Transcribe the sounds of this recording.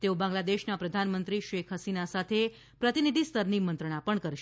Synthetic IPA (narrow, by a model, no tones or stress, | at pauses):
t̪eobãŋɡlad̪eʃnapɾəd̪ʱanmənt̪ɾiʃekʰɦəsinasat̪ʰe | pɾət̪inid̪ʱist̪əɾnimənt̪ɾəɳ̃apəɳkəɾʃ